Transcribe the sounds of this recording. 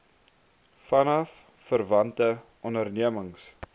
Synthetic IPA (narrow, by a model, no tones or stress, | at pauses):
fɐnɐfː | ərvɐntəʔɔndərniəməŋs